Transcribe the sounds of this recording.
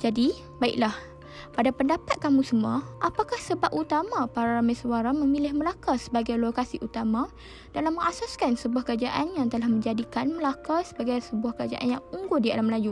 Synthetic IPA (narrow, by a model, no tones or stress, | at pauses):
d͡ʒadi | baḭʔlah | padapəndapat̪̚kamũsəmuaʔapakahsəbap̚ut̪amãpaɾaɾamajswaɾamə̃milɪhməlakasəbaɡajlokasiʔut̪amã | d̥alamːə̃ŋasaskansəbuahkəɾad͡ʒaʔanjaŋt̪əlahmə̃ɲd͡ʒadikanməlakasəbaɡajsəbuahkəɾad͡ʒa̰ʔanjaŋuŋɡʊdia̰lamlaju